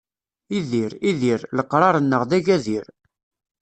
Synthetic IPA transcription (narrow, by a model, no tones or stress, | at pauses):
iðiɾiðiɾləqːɾˤɑɾˤənːəʁðæʝæðiɾ